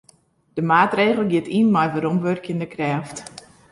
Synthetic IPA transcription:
d̥əmaːtreːɣəl̩ˠɡɪətʰinmajvəɾomʋørkjəndəkrɛːft

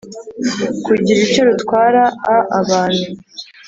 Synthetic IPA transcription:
kuɟiɾico̞ɾutkwaːɾaaːβaːn̥hu

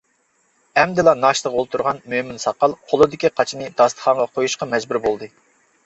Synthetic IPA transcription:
ɛmd̪ɨlˠɑnɑʃt̪ˠəʁolˠt̪ʰuɾʁɑnmømɪnsɑqɑlˠqʰolˠɨd̪ɪkʲiqʰɑt͡ʃʰinɨd̪ɑst̪ə̥χʰɑɴʁɑqʰojuʃqɑmɛzbuɾbolˠd̪ɨ

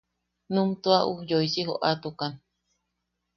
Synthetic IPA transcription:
nũmt̪uaʔujoisiɦo̰ʔat̪ukan

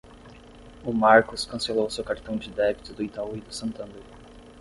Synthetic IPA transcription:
ʊmaɾkʊskɐ̃selowʊsewkaɾt̪ɐ̃w̃d͡ʒɪd̪ɛbit̪ʊd̪ʊit̪auid̪ʊsɐ̃nt̪ɐ̃nd̪ɾ

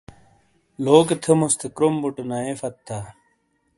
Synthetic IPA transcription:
loːket̪ʰemust̪ʰekɾombuʈɐnɐefɐt̪ʰːa

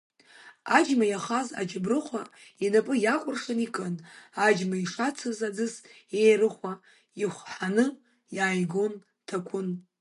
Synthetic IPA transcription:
ad͡ʒmajaχaza̰d͡ʒabrɨχʷainapʼɨjakʷʼʊrʂanikʼɨnad͡ʒmaiʂat͡sʰɨzad͡zɨs | ejrɨχʷa | iχʷħanɨ | jaːjɡon | tʰakʷʰʊn

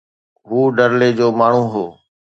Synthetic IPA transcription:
ɦuːɖəɾleːd͡ʑoːmaːɳ̤ũːɦoː

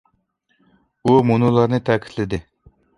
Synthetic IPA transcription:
umunulˠɑɾnɨt̪ʰækʲʰi̥t̪ʰlɪd̪ɪ

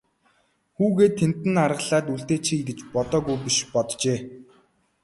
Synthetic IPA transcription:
xuːɣeːt̪ʰːen̥t̪ːɘ̆narʁə̆ɮaːt̪uɬt̪eːt͡ɕʰiːit̪ɘ̆t͡ɕpɔt̪ɔːɣujpiʃpɔt̪t͡ɕeː

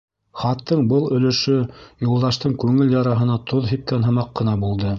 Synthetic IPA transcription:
χɑt̪ːɤɴbɤlˠɵ̆lɵ̆ʃɵjulˠd̪ɑʃt̪ɤɴkʉŋɘljɑɾɑɦɤ̆nɑt̪ʰoðɦip̚kænɦɤ̆mɑqːɤ̆n̪ɑbulˠd̪ɤ

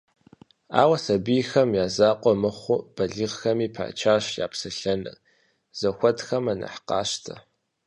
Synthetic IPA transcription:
a̰ːwɐsɐbijxɐmjaːzaːqʷʼɔmɨχʷʊb̥ɐɮɨʁxɐmiːpʰa̰ːt͡ʃʰaːɕja̰ːpsɨɬɐnɐ̰ | z̥ɐxʷɔtxɐmanɐ̰ħqɑːʃtʰɐ̰

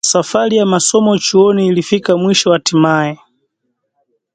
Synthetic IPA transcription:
safaɾijamasɔmɔt͡ʃiɔniːlifikamwiʃɔwatimaːjɛ

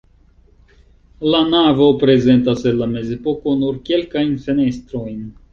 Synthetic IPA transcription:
lanavo̞pɾe̞ze̞nt̬asenlame̞ze̞po̞ko̞nuɾke̞lkajnfe̞ne̞st̪ɾo̞jn

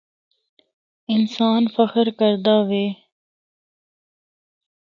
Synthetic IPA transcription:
ɪnsaːnfəxəɾkəɾd̪aːʋeː

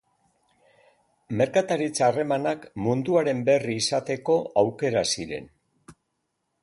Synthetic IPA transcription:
me̞ɾkat̪aɾit͡saːre̞manakmund̪uaɾe̞mbe̞riːsat̪e̞ko̞awke̞ɾasiɾe̞̰n

